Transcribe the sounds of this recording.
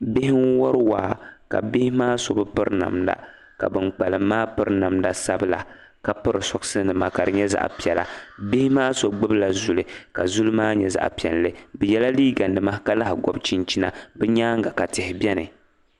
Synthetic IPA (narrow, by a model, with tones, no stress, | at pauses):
bɪ˦hɪ˦ŋ˦wɔ˦ɾɨ˦waː˦ka̰˨bɪ˦hɪ˦maː˦so˨bɨ˦pɨ˦ɾna̰˨mda̰˨ | ka̰˨bɨ˨mk͡pa˨lɨ˨mːaː˦pɨ˦ɾna˨mda˨sa˦bɨ˦la̰˨ | ka˨pɨ˦ɾɨ˨sɔ˨ksɨ˦nɨ˨ma˨ka˨ɾɨ˨ɲɛ˦za̰˦ʔpi˨ɛ˨la̰˨bɪ˦hɪ˦maː˦so˨bɡ͡bɨ˦bla˨zu˨lɨ˨ka˨zu˦lmaː˦ɲɛ˨za̰˨ʔpi˨ɛ˨n˨lɨ˦bɨ˨jɛ˦la˦liː˦ɡa˨ndɨ˨ma˦ka˨˦la˦hɪ˨ɡɔ˦bt͡ʃi˦nt͡ʃi˦na̰˨bɛ˦ɲaː˦ŋ˦ɡa˨ka˨tɪ˨hɪ˨bɛ˦nɨ˨